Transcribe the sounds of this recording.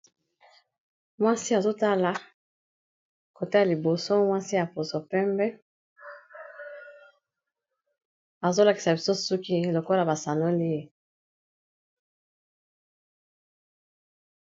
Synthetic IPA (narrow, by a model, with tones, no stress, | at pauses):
mwa˦si˦a˨zo˦ta˦la˨ | ko˨te˦ja˨li˨bo˨so˦mwa˦si˦a˨po˨zo˨pɛ˦mbɛ˦ | a˨zo˦la˨ki̥˨sa˨bi˨so˦su˦ki˦˨lo˨ko˦la˨ba˨sa˨no˦li˦e˨